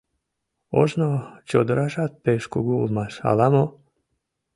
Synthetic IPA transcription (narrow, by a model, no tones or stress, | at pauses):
o̰ʒnot͡ɕod̪ɾaʃat̪̚peʃkuɡulˠmaʃa̰lamo